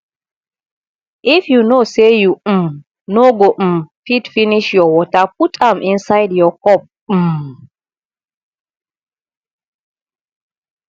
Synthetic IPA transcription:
ʔifjunosejum | noɡoʔ̩mfitfiniʃjɔwɔtap̚utʰãmʔĩnsajdjɔkɔp̩̚ | m

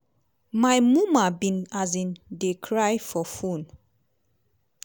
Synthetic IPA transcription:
majmũmabĩnazĩndekʰɹajfɔfun

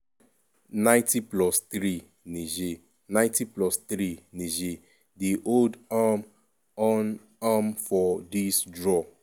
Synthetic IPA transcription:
nãɪ̃tiplɔst̪ɹi | niʒe | nãɪ̃tiplɔst̪ɾiniʒe | diʔoldam | ɔn | amfɔdisdɹɔ

